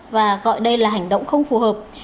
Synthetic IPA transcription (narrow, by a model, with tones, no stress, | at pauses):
vaː˨˩ɣɔ̰˧˨jɗə˧jlaː˨˩ɦa˨˩jŋ̟ɗə̰˧˨wŋ͡mxə˧wŋ͡mfu˨˩həː˨˩p̚